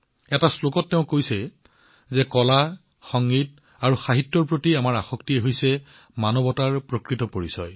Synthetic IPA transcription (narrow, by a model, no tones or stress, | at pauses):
ɛtaslokɔtːeʊ̃kojsɛ | zɛkɔla | xɔŋɡit | aɹuxaɦitːɔɹpɹotiamaɹaxɔktiɛɦojsɛ | manɔbɔtaɹpɹokɹitɔpoɹisɔj